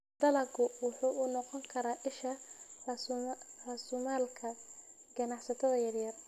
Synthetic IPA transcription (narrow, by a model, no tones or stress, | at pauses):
d̪̥ɐlɐɡʊwʊħuːʔʊnɔqɔŋkʰɐɾaːʔɪʃɐrɐsrɐsumaːlkʰɐ | ɡɐnɑħsɐt̪ʰɐðɐjɐrjɐr